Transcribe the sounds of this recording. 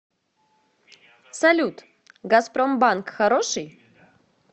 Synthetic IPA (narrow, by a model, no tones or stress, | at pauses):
salʲut̪ | ɡasprombankxaɾoʂɨj